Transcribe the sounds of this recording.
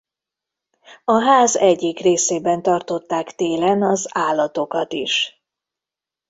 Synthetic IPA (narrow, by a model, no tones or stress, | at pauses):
ɒɦaːzɛɟːikreːseːbɛnt̪ɒrt̪o̞t̪ːaːkt̪eːlɛnɒzaːlːɒt̪o̞kɒt̪iʃ